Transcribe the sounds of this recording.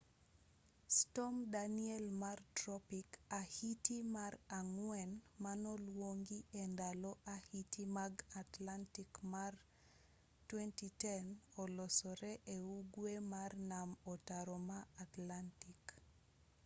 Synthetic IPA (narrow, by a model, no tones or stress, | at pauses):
stɔmdaniɛlmartɾɔpikahitimaraŋwɛnmanɔlwoŋɡiendalɔʔahitimaɡatlantikmar | twɛntitɛnɔlɔsɔɾɛʔeuɡwemarnamɔtaɾɔmaːtlantik